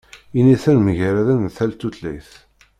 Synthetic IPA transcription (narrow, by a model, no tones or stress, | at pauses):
iniθænməʝəɾæðænθælt̪ːut̪læ̰jθ